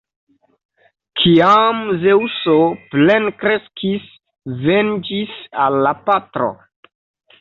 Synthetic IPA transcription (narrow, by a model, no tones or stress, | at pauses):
kʰiamzewsoplenkɾeskʰis | vend͡ʒisa̰lːapatɾo̰